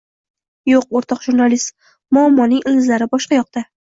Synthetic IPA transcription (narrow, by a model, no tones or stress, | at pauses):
joq̚oɾt̪ʰɒqʒuɾnalist̪ | mʊɒmːɒnɪŋɪlɪzlaɾɪbɒʃqɑjɒq̚t̪a